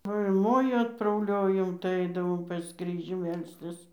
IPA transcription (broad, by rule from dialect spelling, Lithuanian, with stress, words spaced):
ˈʋɐ ɪr ˈmoːjʊ ɐtprɐʊˈlʲoːjoːm tɐɪ ˈɐɪdɐʋoːm pɐs ˈkrʲiːʒʲuː ˈmʲɛlʲsʲtʲɪs